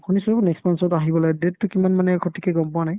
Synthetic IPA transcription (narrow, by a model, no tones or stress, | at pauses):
kʰɔnisɔbunɛkstmansɔtaɦibɔlaɡdetːʊkimanmanɛkʰɔtʰːikɛɡɔmpʊanaj